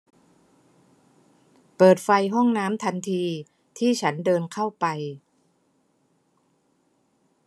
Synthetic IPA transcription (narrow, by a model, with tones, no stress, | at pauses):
pɤː˨˩t̪̚fa˧jɦɔ˥˩ŋnaː˦˥mt̪ʰa˧nt̪ʰiː˧ | t̪ʰiː˥˩t͡ɕʰa˦˥ndɤː˧nkʰa˥˩wpa˧j